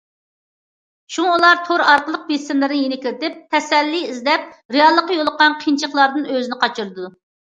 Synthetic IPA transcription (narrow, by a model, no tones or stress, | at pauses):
ʃuŋulˠɑɾt̪ʰoɾɑɾqəlˠəq̚besɪmlɨɾnɪjenɪkʲɪɾɪt̪ɪp̚t̪ʰɛsɛlːiizlɛp̚ɾejɑlˠːəqːɑjolˠəqɑnqʰint͡ʃʰəχlˠɑɾd̪ɨnøzɪnɪqɑt͡ʃʰɨɾɨd̪u